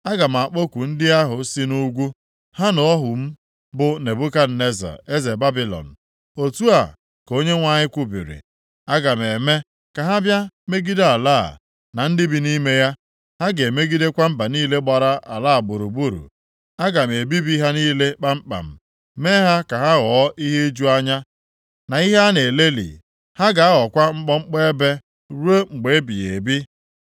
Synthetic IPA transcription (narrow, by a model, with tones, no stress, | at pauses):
a˦ɡa˨m̩˨a˨k͡po˦kʷu˨n̩˦dɪ˦a˦ɦʊ˨˦si˦nu˦ɡʷu˦ | ha˦nʊ˨ɔ˦ɦʊ˨m̩˦ | bʊ˦ne˨bu˦ka˦˨ne˦za̰˨e˦ze˨ba˦bi˦lɔ̰˨n̩˨ | o˨tu˦a˨ | ko˦ɲe˦ŋʷa˦ɲɪ˦kʷu˦bḭ˨ɾḭ˨ | a˦ɡa˨m˨e˨me˦ | ka˨ɦa˦bja˦me˦ɡi˦de˦a˨la̰ː˦˨ | na˨n̩˦dɪ˦bi˨ni˦me˦ja˦ | ha˦ɡe˨me˦ɡi˦de˦kʷa˦m̩˦ba˨niː˦le˦ɡ͡ba˨ɾa˦ʔa̰˨laː˦˨bu˨ɾu˨bu˦˨ɾṵ˨ | a˦ɡa˨m˨e˨bi˦bi˦ɦa˦niː˦le˦k͡pa˦ŋ͡m̩˦k͡pa̰˨m̩˨ | me˦ɦa˦ka˨ɦa˦ɣɔː˨˦ʔi˦ɦe˦d͡ʒu˦a˦ɲa˦ | na˨i˦ɦe˦a˦ne˨le˦lḭ˨ | ha˦ɡa˨a˦ɣɔ˨kʷa˦ŋ͡m̩˦k͡pɔ˦ŋ͡m̩˦k͡pe˦e˦be˦ | ɾu˦e˦ŋ͡m̩˨ɡ͡be˨˦bi˨jḛ˨bi˦